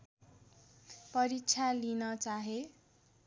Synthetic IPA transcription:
pʌɾit͡sʰalinʌt͡saɦe

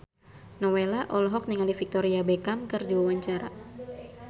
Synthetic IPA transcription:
nɔwelaʔɔlɔɦɔk̚niŋalifik̚t̪ɔɾiabekamkɨrd͡ʒiwawaɲt͡ʃaɾa̰

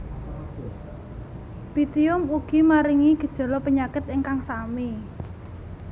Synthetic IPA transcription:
b̥it̪iʊmuɡ̥imaɾiŋiɡ̥ə̤d̥ʒ̥ɔ̤lɔpəɲakɪt̪̚ɪŋkaŋsami

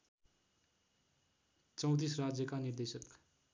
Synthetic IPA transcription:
t͡sʌ̃w̃t̪̬israd͡zjʌkaniɾd̪esʌk

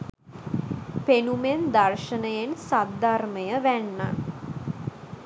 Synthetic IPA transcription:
penumend̪arʃənəjensad̪arməjəʋænːa̰

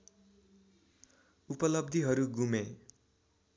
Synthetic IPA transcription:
upʌlʌb̚d̪ʱiɦʌɾuɡume

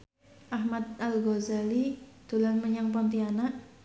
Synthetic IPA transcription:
ʔahmat̪̚alɡozalit̪ulanməɲaŋpɔnt̪ianaʔ

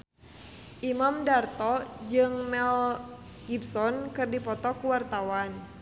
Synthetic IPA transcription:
ʔimamdart̪ɔd͡ʒɨŋmɛl | ɡ̥ibsɔnkɨrdipɔt̪ɔkuwart̪awan

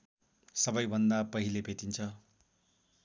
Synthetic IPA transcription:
sʌbʌjbʱʌnd̪apʌɦilebʱet̪int͡sʰʌ

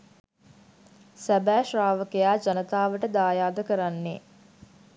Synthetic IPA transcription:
sæbæːʃraːʋəkejaːd͡ʒanət̪aːʋəʈəd̪aːjaːd̪əkəɾanːe

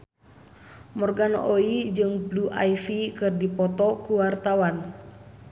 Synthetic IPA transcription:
mɔrɡanʔoid͡ʒɨŋbluʔa̰ifikɨrdipɔt̪ɔkuwart̪awan

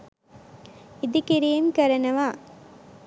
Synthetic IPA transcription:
ɪd̪ikɪɾɪjɐmkɐɾɐnɐʋaː

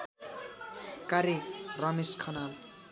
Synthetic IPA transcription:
kaɾerʌmeskʰʌnal

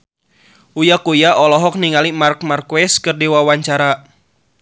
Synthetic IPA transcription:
ujakujaʔɔlɔɦɔk̚niŋalimark̚markwɛskɨrdiwawaɲt͡ʃaɾa

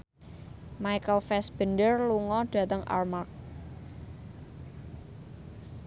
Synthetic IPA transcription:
majkəlfɛsb̥ə̤ndərluŋɔɖ̥a̤t̪əŋa̰rmark̚

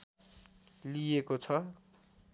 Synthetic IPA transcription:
lijekot͡sʰʌ

